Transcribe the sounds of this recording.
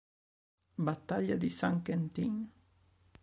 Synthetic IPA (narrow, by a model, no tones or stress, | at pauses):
bat̪aʎad̪isaŋkent̪iŋ